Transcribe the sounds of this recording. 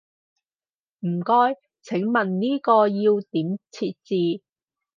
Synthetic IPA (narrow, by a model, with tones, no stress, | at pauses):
m̩˨˩kɔː˥j | t͡sʰɪ˨˥ŋmɐ˨˩nniː˥kɔː˧jiː˧wt̪iː˨˥mt͡sʰiː˧t̚t͡siː˧